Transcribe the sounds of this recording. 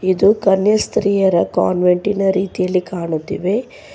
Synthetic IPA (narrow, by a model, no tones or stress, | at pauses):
id̪ukɐnjɐst̪ɾiːjɐɾɐka̰ːnʋeɳʈinɐɾiːt̪ijɐlːikaːɳut̪ːiʋe̞